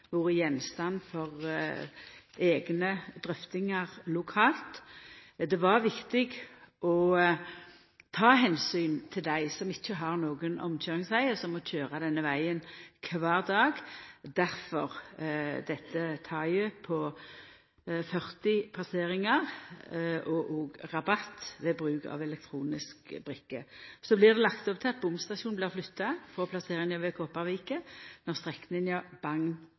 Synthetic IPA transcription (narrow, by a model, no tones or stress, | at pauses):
ʋʊɾəjɛnst̪ɑnfɔʁ | eːɡnəd̪ɾœft̪ɪŋɑʁlʊkʰɑːlt̪ | d̪ɛʋɑɾʋɪkt̪ɪɡʔɔ | t̪ʰɑːɦɛnsyːnt̪ʰɪld̪æɪsɔmɪçːəɦɑʁnoːɡənʔɔ̰mc͡çøːʁɪŋsʋæɪəsɔmɔc͡çøːɾɑd̪ɛnːəʋæɪənkʰʋɑːʁd̪ɑːɡd̪æɾfɔʁd̪ɛt̪ːət̪ʰɑːjʉpʰɔ | fœʁt̪ɪpʰlɑseːʁɪŋəʁ | ʔɔʔɔːɡʁɑbɑt̪ːʋɛbʁʉːkɑ̰ʋɛlɛk̚t̪ʰʁuːnɪskbɾɪkːəsɔblɪʁd̪ɛlɑkt̪ɔp̚t̪ʰɪɑt̪̚bʊmst̪ɑʃuːnblɪʁflʉt̪ːɑfɔpʰlɑseːʁɪŋɑʋɛkʰoːpɑʁʋiːkənɔʁst̪ʁɛknɪŋɑb̥ɑŋn